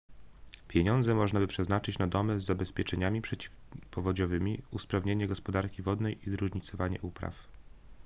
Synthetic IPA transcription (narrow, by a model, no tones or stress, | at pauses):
pʲjeɲɔnd̪zɛmɔʐnabɘpʂɛznat͡ʂɘt͡ɕnad̪ɔmɛzːabɛspʲjɛt͡ʂɛɲamʲipʂɛpɔvɔd͡ʑɔvɘmʲiuspɾavɲeɲɛɡɔspɔd̪aɾkʲivɔd̪nɛjʔizɾuʐɲit̪sɔvaɲɛ̰ʔupɾa̰f